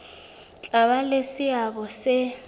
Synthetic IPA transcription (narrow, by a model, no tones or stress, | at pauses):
t͡ɬʼaɓalesɪaɓɔsɛ